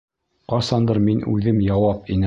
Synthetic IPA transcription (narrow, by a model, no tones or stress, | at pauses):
qɑsɑnd̪ɤɾminʉ̰ðɘmjɑwɑpinɘ